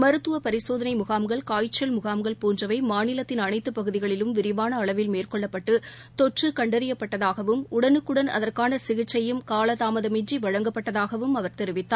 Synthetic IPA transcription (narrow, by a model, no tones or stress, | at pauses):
mɐɾɯt̪ːɯʋɐpɐɾɪsoːðɐnɐɪmʊɣaːmɡɐɭkaːjt͡ʃːɐlmʊɣaːmɡɐɭpuːnd͡ʒɐʋɐɪmaːnɪlɐt̪ːɪnɐnɐɪt̪ːɯpːɐɣɯðɪɣɐɭɪlɯmʋɪɾɪʋaːnɐːɭɐʋɪlmeːrkɔɭːɐpːɐʈːɯ | t̪ɔʈrɯkɐɳɖɐɾɪjɐpːɐʈːɐðaːɣɐʋɯmʊɽɐnɯkːɯɽɐnɐ̰ðɐrkaːnɐsɪɣɪt͡ʃːɐjɯmkaːlɐðaːmɐðɐmɪɲd͡ʒiʋɐɻɐŋɡɐpːɐʈːɐðaːɣɐʋɯmɐʋɐɾt̪ɛɾɪʋɪt̪ːaː